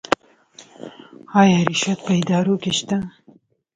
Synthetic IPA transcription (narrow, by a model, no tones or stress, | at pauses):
haːjɾiʃɐt̪̚pɐjd̪aːɾuːkeʃt̪ɐ